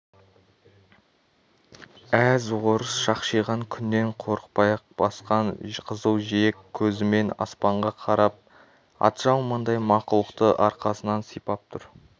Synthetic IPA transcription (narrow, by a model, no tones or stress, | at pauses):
æzwoɾəsʃɑqʃijʁɑŋkʲʰʏnːe̞ɴqʰo̞ɾəq̚pɑjɑq̚bɑsqɑnqʰəzəlˠʒiekʲʰːɵzɪme̞nɑ̰spɑɴʁɑqʰɑɾɑp̚ | ɑ̰t̪ʒ̥ɑw̪ˠmɑnd̪ɑjmɑqʊlˠəqt̪əʔɑɾqɑsənɑnsijpɑp̚t̪ʰʊɾ